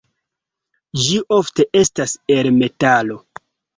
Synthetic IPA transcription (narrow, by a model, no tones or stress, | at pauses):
d͡ʒiʔo̞fte̞ʔe̞stase̞lme̞talo̞